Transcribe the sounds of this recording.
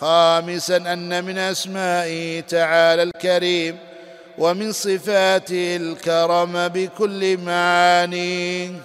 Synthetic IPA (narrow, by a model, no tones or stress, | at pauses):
xɑːmɪsanʔanːamɪnʔasmaːʔɪt̪aʕaːlalkaɾiːm | wʔamɪnsˤɨfaːt̪ɪhɪlkɑɾˤɑmabɪkʊlːɪmaʕaːniː